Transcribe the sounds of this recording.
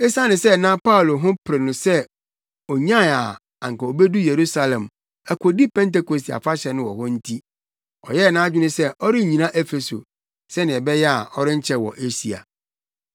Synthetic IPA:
e˦sã˦nɪ̃˨sɛ˦˨nã˦pa˦ʊ˨lo˨ɦʊ̃˦pʰɾɪ˨nʊ̃˨sɛ˦ | ɔ˨ɲã˦˨a˨ | ã̰˨ŋ˨kɛ˨o˨be˦du˦je˨ɾu˦sa˨lɛ̃˨m | ɛ˨kʷʰɔ˨di˦pʰɛ̃˦nte˦ko˨si˨a̰˨fa˦ɕɛ˨nʊ̃˦wɔ˨hɔ̃˦n̩˦tʰi˦ | ɔ̰˨jɛ˦˨nãː˦d͡ʑᶣɪ˦nʊ̃˦sɛ˦ʔɔ˦ɾɪ˦˨ɲĩ˨nã˦ʔɛ˦fe˨so̰˨ | sɛ˦nɪ̃˨ɛ˨bɛ˦jɛ˦a˨ɔ˦ɾɪ̃˦ɲ̩˦t͡ɕʰɛ˦wɔ̰˨ʔe˦si˨a̰˨

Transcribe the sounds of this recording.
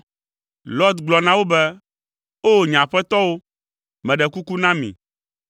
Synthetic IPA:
lɔ˦t̪ɡ͡blɔ˨nã˦wo˦bɛ˦ | o˦˨ɲã˨ɸɛ˦t̪ɔ˦wo˦ | mɛ̃˨ɖɛ˨ku˦ku˦nã˦mḭ̃˨

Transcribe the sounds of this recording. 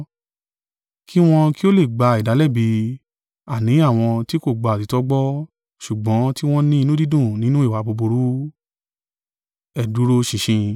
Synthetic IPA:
kʰi˦w̃ɔ̃˧ki˦o˦le˦˨ɡ͡ba˧i˨da˨˦lɛ˦˨bi˧ | a˨nĩ˨˦a˦˨w̃ɔ̃˧ti˦ko˦˨ɡ͡ba˨ti˨˦tɔ˦ɡ͡bɔ˦ | ʃu˨ɡ͡bɔ̃˨˦ti˦w̃ɔ̃˦nĩ˦i˧nũ˦di˦dũ˦˨nĩ˨˦nũ˦i˦˨wa˨˧bo˧bo˧ɾu˨˦ | ɛ˦˨du˨˦ɾo˧ʃĩ˨ʃĩ˧

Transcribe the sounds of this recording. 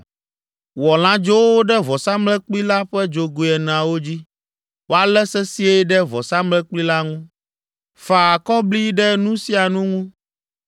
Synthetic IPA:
wɔ˨l̃ã˦d͡ʒo˦wo˦ɖɛ˦vɔ˨sa˦mlɛ̃˦k͡pli˦la˦ɸɛ˦d͡ʒo˨ɡu˨ɛ˨nẽ˨ã˨wo˦d͡ʑi˦ | wo˦a˨lɛ˦sɛ˦si˦ɛ˦ɖɛ˦vɔ˨sa˦mlɛ̃˦k͡pli˦la˦ŋũ˦ | fa˨kɔ˦bli˦ɖɛ˦nũ˦si˦a˨nũ˦ŋũ˦

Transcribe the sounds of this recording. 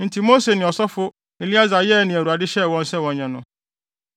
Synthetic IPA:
n̩˨tʰi˨mo˦se˨nɪ̃˨ɔ˨sɔ˦fʊ˦ | e˨li˦a˦za˨jɛ˦˨nɪ̃˨æ˨ɾu˨a˨dɪ˦ɕɛ˦˨wɔ̃˦n̩˦sɛ˦wɔ̃˨ɲɛ̃˨nʊ̃˨

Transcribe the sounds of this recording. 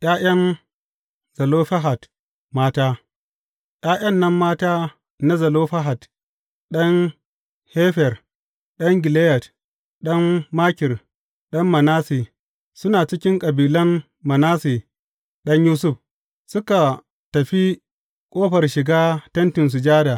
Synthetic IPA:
ʔj̰ʲaː˦j̰ɐ˦n | z̥ɐ˨loː˦ɸa˦ɦa˨t | maː˦taː˦ | j̰ʲaː˦jɐ˦nːɐ˦mːaː˦taː˦ | na˦zɐ˨loː˦ɸɐ˦ɦa˨t | ɗɐ˦n | heː˦ɸɛ˨r | ɗɐ˦ŋɡʲɪ˨leː˦jɐ˨t | ɗɐ˦mːaː˦kʲɪ˨r | ɗɐ˦mːɐ˨naː˦si˨ | sʊ˦naː˨t͡ʃɪ˦kʲɪ˦ŋkʼɐ˨biː˨lɐ˦n | mɐ˨naː˦si˨ | ɗɐ˦ɲjuː˦s̬ʊ˦ɸ | sʊ˦ka˨ | tɐ˨ɸi˦ | kʼoː˦ɸɐ˨rʃɪ˨ɡaː˦tɐ˦ntɪ˨ns̬ʊ˨d͡ʒaː˦da˨

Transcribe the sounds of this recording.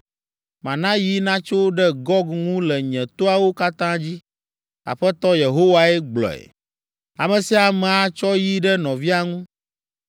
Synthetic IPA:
mã˨nã˦ji˦nã˦t͡ʃo˦ɖɛ˦ɡɔ˦ɡŋũ˦lɛ˨ɲɛ̃˨t̪o˦a˨wo˦ka˦t̪ã˦d͡ʑi˦ | a̰˨ɸɛ˦t̪ɔ˦je˨ɦo˦wa˨ɛ˦ɡ͡blɔ̰˨ɛ̰˨ | a˨mɛ̃˨si˦a˨mɛ˨a˨t͡ʃɔ˦ji˦ɖɛ˦nɔ̃˨vi˦a˨ŋũ˦

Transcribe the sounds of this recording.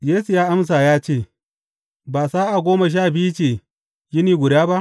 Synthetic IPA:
jeː˦su˨jaː˦ʔa˦ms̬aː˨jaː˦t͡ʃeː˦˨ | baː˨saː˦ʔa˨ɡʷoː˦ma˨ʃ̬aː˦˨bi˦t͡ʃeː˨ | jɪ˦niː˨ɡʷʊ˨daː˦ba˦ʔ

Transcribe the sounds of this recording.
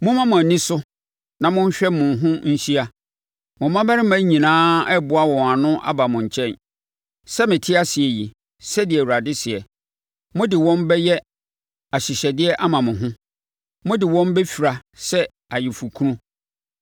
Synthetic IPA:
mʊ̃˦mã˦mʊ̃˨æ˨nĩ˦sʊ˦ | nã˨mʊ̃˦ɲ̩˦ɕᶣɛ˦mʊ̃˨ɦʊ̃˦ɲ̩˦ɕi˦a˦ | mʊ̃˨mːã˦bɛ˦ɾɪ˦ã˦ɲĩ˨nãː˦ɛ˦bʊ˨˦a˦wɔ̃˨a˨nʊ̃˦ʔa̰˦ba˨mʊ̃˨ɲ̩˨t͡ɕʰɛ̃˦˨n | sɛ˦mɪ̃˨tʰɪ˦a˦sɪ˨ɛ˨ji˨ | sɛ˦dɪ˨ɛ˨wu˨ɾa˨dɪ˦sɪ˨ɛ˨ | mʊ̃˦dɪ˨wɔ̃˦mbɛ˦jɛ˦ | a˨ɕɪ˨ɕɛ˨dɪ˦ɛ˦ʔa˦mã˨mʊ̃˨ɦʊ̃˦ | mʊ̃˦dɪ˨wɔ̃˦mbɛ˦fi˨ɾa˨sɛ˦ | a˨jɪ˨fu˨kʰu˦ɾũ˦

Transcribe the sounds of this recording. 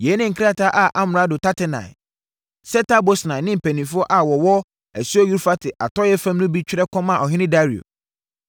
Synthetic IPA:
jɛ˨˦nɪ̃˦ŋ̩˨kʰɪ˦ɾa˦tʰa˦ʔa˨ʔa˦m˨ɾa˦dʊ˨tʰa˦tʰɪ˦nã̰˨ɪ̰˨ | sɛ˦tʰa˦bo˦snã˨nɪ̃˦m̩˨pʰæ˨nĩ˨fʊ˦ɔ˦ʔa˨wɔ˨wɔ˦ | æ˨su˦ɔ˦ju˦ɾfa˦tʰɪ˨ʔa̰˨tʰɔ˦jɛ˦fã˦mnʊ̃˦bi˦t͡ɕᶣɪ˦ɾɛ˦kʰɔ̃˦mã˨ɔ˨ɦɪ̃˦nɪ̃˦da˦ɾi˨o̰˨

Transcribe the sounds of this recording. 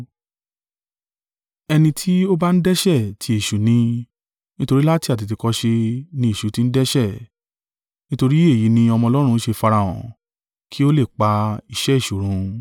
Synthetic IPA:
ɛ˧nĩ˧tʰi˦o˦ba˦n̩˦dɛ˦ʃɛ˦˨tʰi˧e˨ʃu˨˦nĩ˧ | nĩ˦to˧ɾi˦la˦ti˦˨a˨t̬i˨ti˧kɔ˧˦ʃe˧nĩ˧e˨ʃu˨˦ti˧n̩˦dɛ˦ʃɛ˦˨ | nĩ˦to˧ɾi˦e˦˨ji˨˦nĩ˧ɔ˧mɔ̃˧ɔ˧lɔ˦ɾ̃ũ˧˦ʃe˧fa˧ɾa˨ɔ̰̃˨ | kʰi˦o˦le˦˨k͡pa˧i˨ʃɛ˦i˦˨ʃu˨ɾ̃ũ˨˦

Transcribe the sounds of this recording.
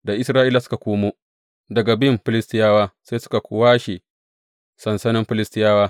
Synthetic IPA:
da˨ʔɪ˦sɾaː˦ʔiː˦la˨sʊ̥˦ka˨kʷoː˦moː˦ | dɐ˨ɡa˨bɪ˦mɸɪ˦lɪ˦stɪ˦jaː˦waː˦seː˦sʊ̥˦ka˨kʷʊ˦waː˦ʃe˨ | sɐ˨nsɐ˦nɪ˦mɸɪ˦lɪ˦stɪ˦jaː˦waː˦

